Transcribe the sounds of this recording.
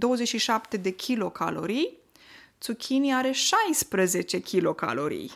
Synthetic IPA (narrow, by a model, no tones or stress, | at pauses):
d̪o̞wəzet͡ʃʃiʃapt̪e̞d̪e̞kʲʰilo̞kʰa̰lo̞ɾij | t̪sukʲʰiniaɾe̞ʃajspɾəze̞t͡ʃe̞kʲilo̞ka̰lo̞ɾḭj